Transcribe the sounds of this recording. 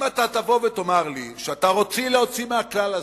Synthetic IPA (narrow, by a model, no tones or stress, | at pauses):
mat̪at̪avo̞vet̪o̞maʁliʃeat̪aʁo̞t͡sileot͡simeaklala